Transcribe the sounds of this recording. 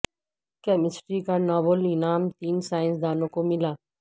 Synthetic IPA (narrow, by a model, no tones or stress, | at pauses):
kɛːmɪsʈɾikanaːbəlinaːmt̪iːnsaːɪ̃nsd̪aːnõkomɪlaː